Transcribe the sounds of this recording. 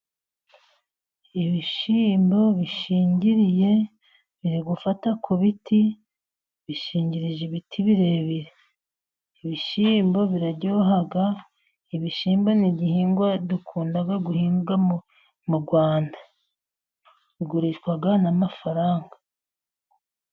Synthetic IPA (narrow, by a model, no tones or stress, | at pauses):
iβiʃiːmbo̞βiʃiːɲɟiɾije̞ | βiɾiɡufatakʰuβiti | βiʃiːɲɟiɾiʒeβitʰiβiɾe̞βiɾe | iβiʃiːmbo̞βiɾaɟoːɦaɡa | iβiʃiːmbo̞niɟihiːŋɡwadukʰuːndaɡaɡuhiːŋɡa | muɡwaːnda | βiɡuɾiʃkwaɡanamafaɾaːŋɡḁ